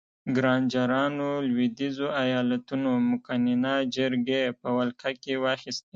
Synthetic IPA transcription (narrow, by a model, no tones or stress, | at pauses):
ɡɾɑnd͡ʒɑɾɑnolwid̪izoajɑlat̪unomʊkaninɑd͡ʒəɾɡepəwalkʰakewɑxist̪e